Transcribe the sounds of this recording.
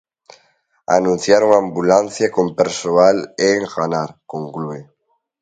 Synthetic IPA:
a̰nũn̟θjaɾuŋãmbulan̟θjakompeɾsoaleŋɣanaɾkõŋklue

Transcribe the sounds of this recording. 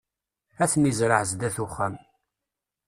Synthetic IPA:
æθnizɾəʕzd̪æθuχːæm

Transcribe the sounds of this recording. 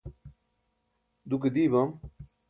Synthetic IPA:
d̪uk̬ed̪iːbam

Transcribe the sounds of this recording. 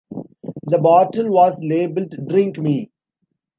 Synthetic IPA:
d̪əbɔːʈəlʋɔːzleːbəlʈuɖɾɪ̃ŋkmiː

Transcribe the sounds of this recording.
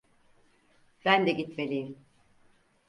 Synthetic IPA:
b̥ænd̪ɛɟit̪melʲijim

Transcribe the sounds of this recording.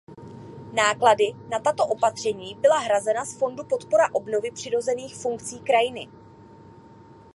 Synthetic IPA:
naːkladɪnat̪at̪o̞ʔo̞pat̪r̝̥ɛɲiːbɪlaɦɾazɛnasfo̞ndupo̞t̪po̞ɾaʔo̞bno̞vɪpr̥ɪɾo̞zɛniːxfuŋkt͡siːkɾajɪnɪ̰

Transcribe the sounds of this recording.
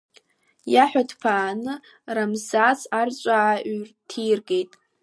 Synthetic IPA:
jaħʷᶣadpʰaːnɨ | ramzazart͡ʃʷʼaʔrtʰiːrɡe̞jtʼ

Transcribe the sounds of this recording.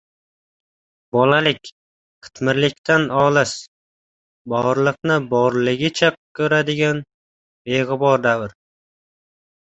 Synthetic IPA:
bɒlalɪkʲ | qʰɨ̥t̪ʰmɪɾlɪkʲt̪ʰanɒlˠɪʃ | bɒɾlˠɨqnɪbɒɾlˠɪɡʲɪt͡ʃʰakʲʰɵɾad̪ɪɡʲan | beʁɨbɒɾd̪avɪɾ

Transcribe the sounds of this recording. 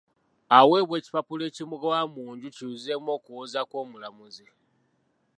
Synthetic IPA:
awe̞ːβwe̞ːci̥papuleːcimuɡwamuːɲɟuciuze̞mo̞ːkuwozakwoːmulamuzi

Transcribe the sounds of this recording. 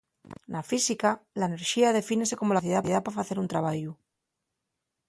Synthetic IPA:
nʔafisikalaene̞ɾʃiað̞e̞fine̞se̞ko̞mo̞laθjeðaθjeapafaθe̞ɾunt̪ɾaβaʝu

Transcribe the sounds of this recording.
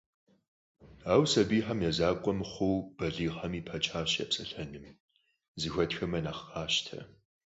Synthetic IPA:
aːwsɐbiːħɐmjɛzaːkʷʼɔmχʷʊwb̥ɐɮiːʁɐmiːpʰɐt͡ʃʼaːɕjɐ̰psʼɐɬɐnɨm | zɨxʷɐtxɐmɐnaːχaːʃtʰɐ̰

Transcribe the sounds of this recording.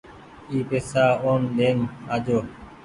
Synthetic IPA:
iːpeːsaːoːnd̪eːnaːd͡ʒoː

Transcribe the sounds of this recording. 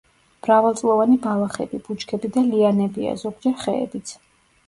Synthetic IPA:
m̥ɾavalt̪sʼlˠɔvanibalˠaχɛ̰bib̥ut͡ʃkʰɛbid̪alianɛbia̰zɔɡ̚d͡ʒɛɾχɛ̰ːbit̪sʰ

